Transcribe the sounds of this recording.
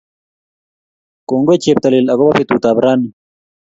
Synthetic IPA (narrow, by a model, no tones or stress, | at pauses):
koːŋɡojt͡ɕeːp̚t̪ɐlilɐɡobɐfet̪uːt̪aːbɾaːni